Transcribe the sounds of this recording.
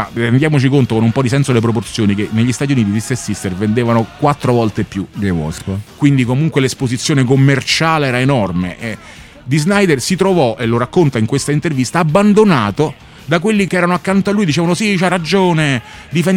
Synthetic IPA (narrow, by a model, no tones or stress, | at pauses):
aɾend̪jaːmot͡ʃikont̪okonumpɔd̪isɛnsod̪elep̬ɾop̬ort̪sjoːnikenːeʎːist̪at̪juniːt̪̬iist̪esist̪ervend̪eːvanokwat̪ːɾovɔlt̪epːjuɡewɔ̰skwind̪ikomuŋkwelespozit̪sːjoːnekomːert͡ʃaːleɛːɾaenɔrmḛʔ | d̪iznajd̪ersit̪ɾovɔʔeloɾakːont̪aiŋkwest̪aint̪ervist̪aːbːand̪onaːt̪o | d̪ak̬welːikeɛːɾanoakːant̪oalːuːjd̪it͡ʃɛːvanosit͡ʃarːad͡ʒoːne | d̪ifen